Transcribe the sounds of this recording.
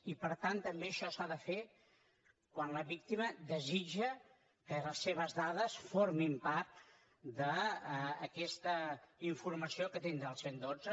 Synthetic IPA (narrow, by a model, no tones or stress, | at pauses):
ipəɾt̪ant̪əmbeəʃɔsaðəfe | kwanləβik̚t̪iməðəzid͡ʒə | kələsːeβ̞əzðaðəsfoɾmimpaɾt̪ | d̪əː | kɛst̪əiɱfuɾməsiokət̪end̪əlˠsend̪od͡zə